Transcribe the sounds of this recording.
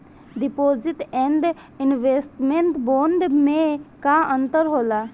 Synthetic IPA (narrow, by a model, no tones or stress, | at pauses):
ɖipoːd͡ʒɪʈɛ̃ɳɖ | ɪnʋeːsʈmẽɳʈbõːnɖ̪mẽkaə̃nt̪əɾɦoːla